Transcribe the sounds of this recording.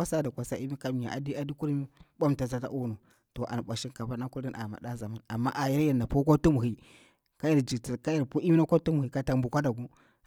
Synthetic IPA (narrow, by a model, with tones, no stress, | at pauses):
a˦sa˦da˨kʷa˨sa˦i˦mi˦ka˦mi˨ja̰˨ʔa̰˨di˦a˨di˦ku˦ɾmi˦ɓʷa˦mta˨za˦ta̰˦ʔu˦no˨ | to˨ʔa̰˨n˨ɓʷa˨ʃi˦nka˨pa˦na˦ku˦ɾdi˦nʔa̰˨ma̰˨da˦za˨ma˦na˨mːa̰˦ʔa˨ji˦ɾja˨na˨po˦kʷa˦tu˦mu˨hi˨ | ka˦ja˨ɾd͡ʒi˨tka˦ja˨ɾpo˦i˦mi˦na˦ka˦tu˦mu˨hi˨ka˦ta˨mbu˨kʷa˦da˨ɡu˦